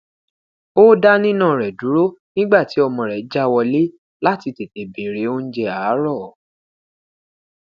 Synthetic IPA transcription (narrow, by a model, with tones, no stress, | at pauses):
o˦da˦nĩ˦nã˦˨ɾɛ˨du˨˦ɾo˦nĩ˦ɡ͡ba˦˨ti˨˦ɔ˧mɔ̃˨ɾɛ˨˦d͡ʒa˦wɔ˧le˦ | la˦˨ti˧te˨te˨be˨ɾe˨˦o˦n̩˦d͡ʒɛ˧a˨˦ɾɔ˦˨